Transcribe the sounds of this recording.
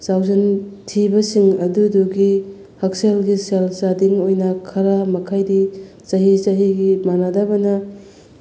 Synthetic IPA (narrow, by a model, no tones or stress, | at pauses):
sawzɐntʰibɐsiŋɐduduɡi | hɐk̚selɡiselsadiŋojnɐkʰɐɾɐmɐkʰajdi | t͡ʃɐɦit͡ʃɐɦiɡimanadabɐnɐ